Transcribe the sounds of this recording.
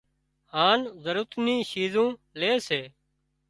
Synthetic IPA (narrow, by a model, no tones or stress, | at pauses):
haːnzəɾʊt̪nĩːʃiːzõːleːseː